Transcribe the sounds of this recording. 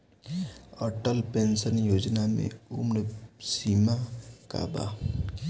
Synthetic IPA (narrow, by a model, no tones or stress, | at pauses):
əʈəlpensənjoːd͡ʒnamḛ̃ʊmɾsiːmaka̰ːba̰ː